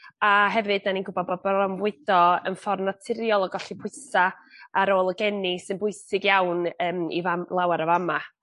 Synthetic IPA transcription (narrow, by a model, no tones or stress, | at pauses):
aɦɛvɨdaninɡʊbɔdbɔd̚bɔɔmvwɪd̥ɔənfɔrnatʰɪɾjɔlˠɔɡɔɬipʰʊɪɨsaːɾoːlˠəɡɛnisɨnbʊɨsɪɡjawnəːmḭvalˠawaɾəvama